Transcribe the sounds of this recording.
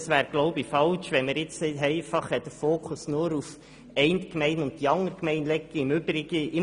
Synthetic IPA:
sʋæːɾɡ̥loʊbifɑlʃʋɛnməɾjɪt͡sɛɪtɛɪfɑχhɛt̚d̥əfoːkʰʊsnʊɾuf | ɛɪnt̪kmɛɪnʊnt̚tiɑŋːəɾkmɛɪnlɛkːəɪmʏbɾɪɡ̥əɪ

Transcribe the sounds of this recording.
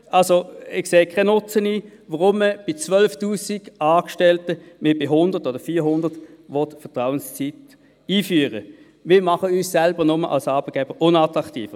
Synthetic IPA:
ʔɑlsoɪxseːkʰaɪnʊt͡səniːvəʁʊmːəb̥ɪt͡sʋœlftuːsiɡɑːkʃtɛltəmɪbɪɦʊnd̥ətɔd̥əfiːhʊndətʋɔtfətʁaʊənst͡sit | iːfyːəʁə̰ | mɪːmɑχəyssælbəʁnʊməʔɑ̰lsɑːbət̚ɡ̥ɛːb̥əʔʊnɑtʁɑktḭːfə

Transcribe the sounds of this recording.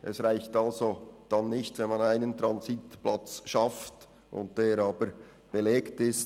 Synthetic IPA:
ʔɛsʁaɪçtɑlzod̥ɑnːɪçtvɛnmɑnaɪnəntɾɑnzitplat͡sʃɑft | ʔʊ̰nt̚d̥eːɾɑːbəɾ | b̥eleːktɪst

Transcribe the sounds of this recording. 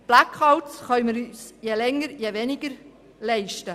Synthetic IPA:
b̥lækʰɑwtsχœʏməɾyːsjelɛŋːəɾjeʋɛnɪɡ̥əɾ | lɛɪʃtə

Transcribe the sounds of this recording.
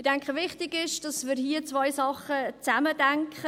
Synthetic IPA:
d̥ɛŋkχəvɪχtɪɡɪʃd̥ɑsmɪːɾhiət͡svɔjsɑχət͡sæmədɛŋkχə

